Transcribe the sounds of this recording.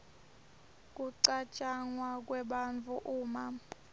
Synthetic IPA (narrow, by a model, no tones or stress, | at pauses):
k̬ʼuǀat͡ʃʼaŋwak̬ʼwɛɓant͡fʰuʔuːma